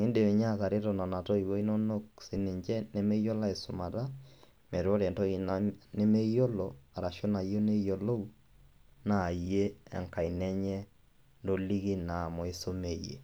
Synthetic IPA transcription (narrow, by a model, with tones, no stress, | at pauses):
ŋɪ˦nde˨e˨ɲa˦˨ka˨ɾɪ˦ɾɔ˨na˨na˨tɔ˦i˨wo˦i˦no˦no˦k̚sɪ˨˦nɪ˨ɲt͡ʃɛ˦ne˦mɛ˦jɔ˦la˦e˨sʊ˨ma˨ta˦ | mɛ˨ɾɔ˦ɾɛ˨tɔ˦inne˦me˦jɔ˦lɔ˨a˨ɾa˨ʃɔ˦na˨jo˦ne˦jo˨lo˦u | naː˨je˦ɛ̰˨ŋka˨i˨nɛ˦ɲɛ˦ | ndo˦li˦ki˦na˨mɔ˨e˦so˦me˦˨jḛ˨